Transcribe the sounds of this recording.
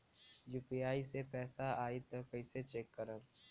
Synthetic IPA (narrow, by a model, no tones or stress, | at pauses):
juːpijaːisepɛːsaaːit̪ɐkəɪset͡ʃeːkːəɾə